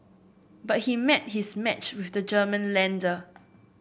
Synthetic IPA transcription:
bat̚himɛt̚hismɛt͡ʃwɪfdəd͡ʒəːmə̃nlɛ̃ndə

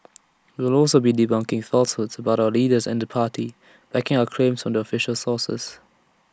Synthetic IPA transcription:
wiwɪlɔlˠsobidibãŋkɪ̃ŋθɔltshʊdsəbaʊtaʊəliːdəzɛ̰̃ndəpʰaːti | b̥ækɪ̃ŋaʊəkʰɹ̥ẽmsɹɔ̃ndiɔfɪʃəlsɔːsə̰s

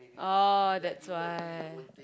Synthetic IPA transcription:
ʔodɛtswaɪ

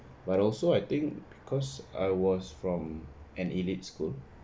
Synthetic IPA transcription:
batɔlsoajt̪ĩŋkb̥ikʰɔsa̰jwɔsfɹɔ̃mɛ̃nilit̚skul

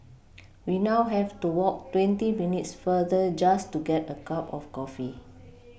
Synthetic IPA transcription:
winawɦɛvtuwɔk̚twɛ̃ntiminitsfədəd͡ʒastuɡɛtəkapɔfkɔfi

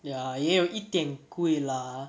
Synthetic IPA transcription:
jajɛjoʔit̪jɛ̃ŋkuela

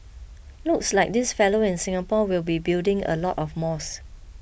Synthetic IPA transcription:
lʊkslaɪk̚dɪsfɛloɪ̃nsɪ̃ŋəpɔwilbibildɪ̃ŋə̰lɔtɔfmɔs

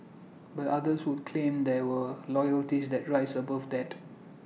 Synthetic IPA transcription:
batadəswud̚kʰlẽmd̪ɛwəlɔjəltisdɛt̚ɹaɪsəbafdɛt

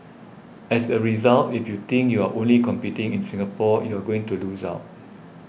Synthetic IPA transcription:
ɛsəɹizaltifjut̪ɪ̃ŋkjuaʔõnlikɔ̃mpitɪ̃ŋɪ̃nsĩŋapɔjuaɡoɪ̃ŋtulusa̰ʊt

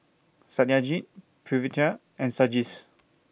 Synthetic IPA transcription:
satiad͡ʒit | pʰɹivitə | ɛ̃nsad͡ʒis

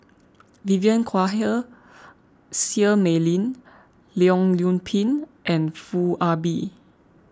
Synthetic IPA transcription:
viviə̃nkʰwaɦə | siəmɛlĩn | liɔ̃ŋljũnpʰĩnʔɛ̃nfuabi

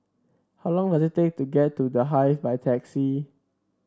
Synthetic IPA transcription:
haʊlɔ̃ŋdasitek̚tuɡɛtːudəɦaɪfbaɪtʰɛksi

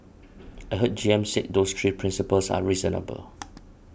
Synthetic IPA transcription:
əɦət̚d͡ʒiɛ̃msiʔ̚dost̪ʰɹiːpʰɹɪ̃nsipəlsa̰ɹizənə̰bə̰l

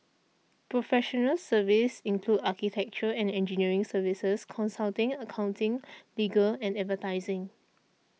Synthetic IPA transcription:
pɹofɛʃɔnəlsəvisĩnkʰludakitʰɛk̚t͡ʃəɛ̃nɛ̃nd͡ʒiniəɹɪ̃ŋsəvisəskʰɔ̃nsaltɪ̃ŋəkʰãʊ̃ntɪ̃ŋliɡəlɛ̃nɛtvətaɪzɪ̃ŋ

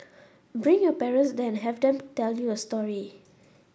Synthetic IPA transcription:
bɹĩŋjɔpɛɹə̃nsdɛ̃nɦɛvdɛ̃mtɛljuəstɔɹi

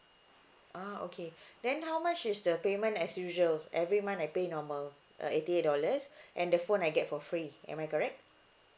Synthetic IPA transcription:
ʔao̰kʰedɛ̃nɦawmat͡ʃisdəpemə̃ntɛsjuʒəlʔɛvɹimãnajpenɔməl | ʔə̰etiet̚dɔləsʔɛ̃ndəfõnajɡɛt̚fɔfɹiʔɛ̰̃majkɔɹɛk̚t̚

